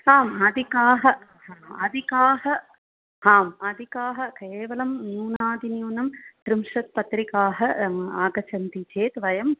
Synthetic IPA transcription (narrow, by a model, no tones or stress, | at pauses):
aːmad̪ʱikaːɦɐ | ɐd̪ʱikaːhɐ | haːmaːd̪ʱikaːɦɐkeːʋɐlɐmnuːnaːd̪ʱinijuːnɐmt̪ɾimʂɐt̪̚pɐt̪ɾikaːɦɐaːɡɐt͡ʃɐnd̪it͡ʃeːt̪ʋɐjɐm